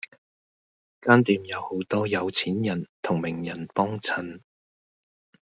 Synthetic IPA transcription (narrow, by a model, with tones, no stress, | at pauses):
kaː˥nt̪iː˨mjɐ˨˧who˨˥wt̪ɔː˥jɐ˨˧wt͡sʰiː˨˥njɐ˨˩nt̪ʰʊ˨˩ŋmɪ˨˩ŋjɐ˨˩npɔː˥ŋt͡sʰɐ˨˧n